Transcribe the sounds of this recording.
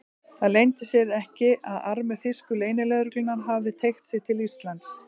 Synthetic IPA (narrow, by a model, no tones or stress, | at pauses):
θaðlejnt̪ɪsjɛɾɛhcɪʔaðaɾmʏθɪskʏleːjnɪlɛɣɾʏklɪnaɾɦavðɪt̪ʰejxt̪sɪt̪ʰɪlist̪lant̪s